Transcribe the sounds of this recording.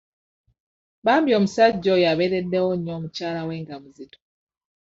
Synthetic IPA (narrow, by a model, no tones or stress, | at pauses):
βaːmbjo̞ːmusaɟːo̞jaβeɾedːewoɲoːmucaːlawe̞ːŋɡamuzito̥